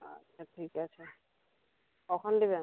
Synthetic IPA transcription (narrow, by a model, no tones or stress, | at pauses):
a̰tːʰaʈʰikat͡ɕʰe | kɔkʰɔnd̪ebea